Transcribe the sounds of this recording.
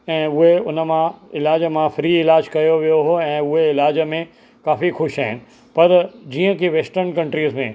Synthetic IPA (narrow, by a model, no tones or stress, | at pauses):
ɛ̃ːʊɦeʊnə̆mãɪlaːd͡ʑəmãfɾiːɪlaːd͡ʑkɐjoʋijoɦoɛ̃ːʊɦeɪlaːd͡ʑəmẽ | kaːfixʊʃɦaːɦɪnɪ̆ | pɐɾd͡ʑiːə̃kiʋeːsʈəɾnkɐ̃ɳʈɾiːzmẽ